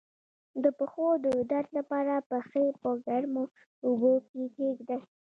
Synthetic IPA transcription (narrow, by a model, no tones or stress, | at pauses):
d̪əpəxod̪əd̪aɾt̪lapɑɾapəxepəɡaɽmo | ʊbokekeɡd̪a